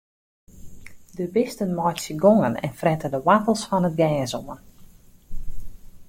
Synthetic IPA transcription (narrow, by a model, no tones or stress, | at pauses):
dəbɪstənmɔjtsjəɡoŋənɛ̰nfrɛtədəwatəlˠsfɔnət̚ɡɛːsoən